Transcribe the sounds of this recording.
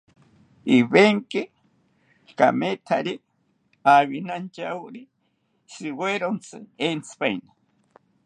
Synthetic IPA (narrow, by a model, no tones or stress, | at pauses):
iβeŋki | ka̰met̪ʰaɾi | aβinant͡ʃauɾi | sɨweɾont͡sʰɨent͡sʰɨ̥pajna